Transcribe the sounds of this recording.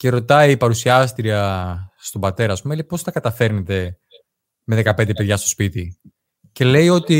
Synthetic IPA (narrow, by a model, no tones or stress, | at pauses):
ce̞ɾo̞t̪ɐipɐɾusiɐst̪ɾiɐst̪o̞bɐt̪e̞ɾɐːspumelipo̞st̪ɐkɐt̪ɐfe̞ɾnet̪e̞ | me̞ðe̞kɐpend̪epe̞ðʝɐst̪o̞spit̪i | ce̞le̞io̞t̪i